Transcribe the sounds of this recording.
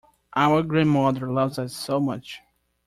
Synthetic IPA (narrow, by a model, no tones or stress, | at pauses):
ʔaʊə˞ɡɹæ̃nmʌðə˞lʌvzʌsːoʊmʌt͡ʃ